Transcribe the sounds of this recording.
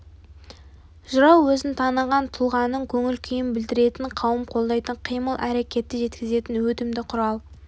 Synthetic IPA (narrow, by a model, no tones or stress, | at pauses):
ʒʊɾɑwːɵzɪnt̪ʰɑnəʁɑnt̪ʰʊlˠʁɑnəŋkʲʰɵŋɪlkʲʰijɪmbɪld̪ɪɾe̞t̪ɪɴqʰɑwəmqʰo̞lˠd̪ɑjt̪əɴqʰijməlˠʔæɾe̞kʲe̞t̪ːɪʒe̞t̪kʲɪze̞t̪ɪnwɵt̪ɪmd̪ɪqʰʊɾɑlˠ